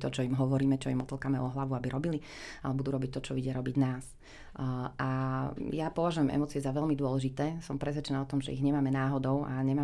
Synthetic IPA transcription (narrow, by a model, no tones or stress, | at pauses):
t̪ɔt͡ʃɔimɦɔʋɔɾiːmɛt͡ʃɔimɔt̪l̩ˠkaːmɛʔɔɦlaʋuabiɾɔbili | a̰lɛbud̪uɾɔbic̚t̪ɔt͡ʃɔʋiɟɪaɾɔbiɟnaːs | ʔajapɔʋaʒujɛmʔɛ̰mɔːt͡siɛzaʋɛʎmid̪ʊɔlɛʒit̪ɛːsɔmpɾɛsʋɛt͡ʃɛnaːɔt̪ɔmʒɛ̰iɣɲɛmaːmɛnaːɦɔd̪ɔʊa̰ɲɛmaː